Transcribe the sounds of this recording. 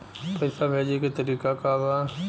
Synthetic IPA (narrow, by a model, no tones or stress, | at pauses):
pɐɪsabʱeːd͡ʒeket̪ɐɾiːkakaba